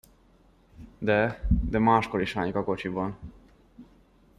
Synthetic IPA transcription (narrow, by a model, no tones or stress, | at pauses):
d̪ɛd̪ɛmaːʃkoɾiʃha̰ːɲkɒko̞t͡ʃibɒn